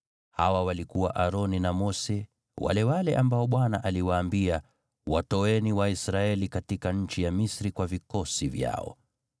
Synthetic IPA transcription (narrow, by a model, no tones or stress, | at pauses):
hawawalikuwaʔaɾɔninamɔsɛ | wa̰lɛwalɛʔambaɔɓwanaʔaliwaːmbia | watɔɛniwaisɾaɛlikatikaɲ̩t͡ʃijamisɾikwavikɔsivja̰ɔ̰